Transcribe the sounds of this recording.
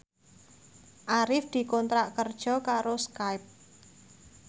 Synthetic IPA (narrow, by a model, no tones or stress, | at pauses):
ʔaɾɪfd̪̥i̤kɔnt̪ɾaʔkərd̥ʒ̥ɔ̤kaɾoskaɪp̚